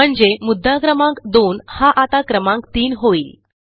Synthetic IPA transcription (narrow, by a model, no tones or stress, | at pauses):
əɳd͡zemud̪ʱːakɾəmãŋkd̪onhaʔat̪akɾəmãŋkt̪iːnɦoiːl